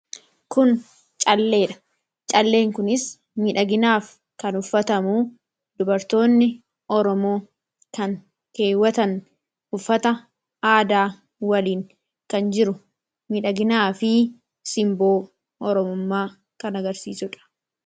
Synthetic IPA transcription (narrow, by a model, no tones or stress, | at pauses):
kʊn | t͡ʃʼɐlːe̞ːᶑɐ̥ | t͡ʃʼɐlːe̞ːŋkʊnɪs | miːᶑɐɡɪnaːf | kɐnʊfːɐt̪ɐmuː | d̪ʊbɐɾt̪o̞ːnːɪ | ʔɔɾɔmo̞ː | kɐŋ | ke̞ːwːɐt̪ɐn | ʊfːɐt̪ɐ | aːd̪aː | wɐliːŋ | kɐnd͡ʒɪɾʊ | miːᶑɐɡɪnaːfɪ | sɪmbo̞ː | ʔɔɾɔmʊmːaː | kɐnɐɡɐɾsḭːsʊᶑɐ̥